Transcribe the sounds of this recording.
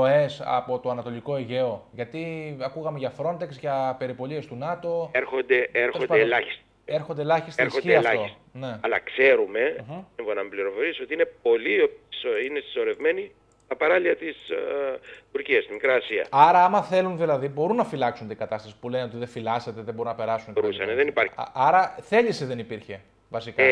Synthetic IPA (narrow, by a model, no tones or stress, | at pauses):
oe̞sɐ̰po̞t̪o̞ɐnɐt̪o̞liko̞iʝe̞o̞ʝɐt̪iɐkuɣɐme̞ʝɐfɾo̞nt̪e̞ksʝɐpe̞ɾipo̞lie̞st̪unɐt̪o̞eɾxo̞nd̪eeɾoeelɐçi̥st̪ | eɾxo̞nd̪eelɐçist̪exoieɐlɐost | ne̞ɐlɐ̰kse̞ɾume̞iɱfonɐmepliɾo̞fo̞ɾisiot̪iinep̚o̞liosinest̪i̥so̞ɾe̞vme̞ni | t̪ɐpɐɾɐliɐt̪is | t̪uɾciɐst̪imikɾiɐsiɐ̰ɐɾɐɐmɐθe̞lunðilɐðibo̞ɾunːɐfilɐksunt̪iɡɐt̪ɐst̪ɐsi̥pule̞neo̞t̪iðe̞filɐse̞t̪e̞ðebo̞ɾunːɐpe̞ɾɐsunɾusɐneðenipɐɾɐɾɐθe̞ʎiseðe̞nipiɾçe̞ | vɐsikɐ